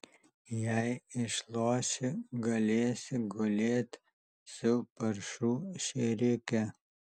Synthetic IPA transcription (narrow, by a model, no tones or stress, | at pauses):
jɛɪɪʃlˠoːʃʲɪɡɐlʲeːsʲɪɡʊlʲeːt̪ʲ | sʊpɐɾʃuːʃʲɛɾʲɪkʲɛ